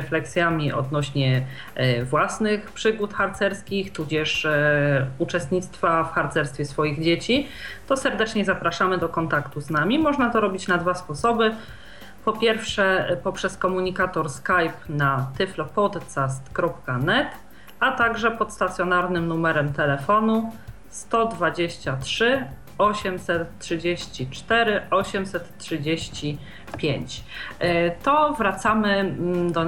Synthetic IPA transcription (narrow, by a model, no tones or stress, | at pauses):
flɛksʲjamʲiʔɔ̰d̪̚nɔɕɲɛ | vwasnɘxpʂɘɡut̪xaɾt̪sɛɾskʲixt̪ud͡ʑɛʂ | ut͡ʂɛst̪ɲʲit̪st̪fafxaɾt̪sɛɾst̪fʲɛsfɔjiɣd͡ʑet͡ɕit̪ɔsɛɾd̪ɛt͡ʂɲɛzapɾaʂamɘd̪ɔkɔnt̪akt̪uznamʲimɔʐnat̪ɔɾɔbʲit͡ɕnad̪vaspɔsɔbɘ | pɔpʲjɛɾfʂɛpɔpʂɛskɔmuɲikat̪ɔɾskajpnat̪ɘflɔpɔd̪t̪sast̪kɾɔpkanɛt̪ | at̪aɡʐɛpɔt̪st̪at̪sʲjɔnaɾnɘmnumɛɾɛmt̪ɛlɛfɔnu | st̪ɔd̪vad͡ʑeɕt͡ɕatʂɘ | ɔɕɛmsɛt̪ːʂɘd͡ʑeɕt͡ɕit͡ʂt̪ɛɾɘʔɔɕɛmsɛt̪tʂɘd͡ʑeɕt͡ɕi | pʲjeɲt͡ɕ | t̪ɔvɾat̪samɘd̪ɔ